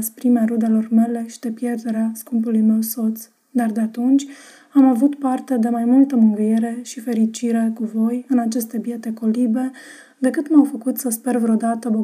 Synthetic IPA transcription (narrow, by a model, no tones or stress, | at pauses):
spɾimeaɾud̪e̞lo̞rme̞le̞ʃid̪e̞pje̞rd̪e̞ɾeaskumpulujme̞wso̞t̪s | d̪ard̪eat̪unt͡ʃʲ | amavut̪part̪e̞d̪e̞majmult̪əmɨŋɡɨjeɾe̞ʃife̞ɾit͡ʃiɾe̞kuvo̞jɨnat͡ʃe̞st̪e̞bje̞t̪e̞ko̞libe̞ | d̪e̞kɨt̪mawfəkut̪səspe̞rvɾeo̞d̪at̪əbo